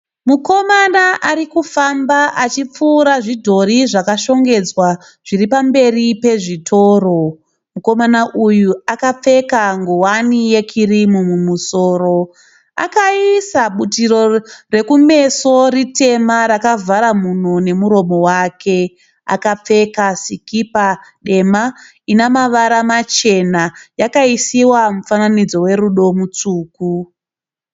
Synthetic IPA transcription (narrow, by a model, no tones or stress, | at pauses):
muko̞manaʔaɾikufambaʔat͡ʃip͡fuːɾaʐidʱo̞ɾiʐakaʃo̞ŋɡe̞d͡zwa | ʐ̥iripambe̞ripe̞ʐitʰo̞ːro̞ | muko̞manaʔujuakap͡fe̞kaŋɡowanije̞kʰirimumumusoːro̞ | a̰kaisaɓut̬iro̞re̞kume̞so̞rite̞maɾakavʱaɾamun̤one̞muɾo̞mo̞waːkʰe̞ | a̰kap͡fe̞kasikipaɗe̞ma | inamaʋaɾamat͡ʃe̞najakaisiwamufananid͡zo̞we̞ɾuɗo̞mut͡suːku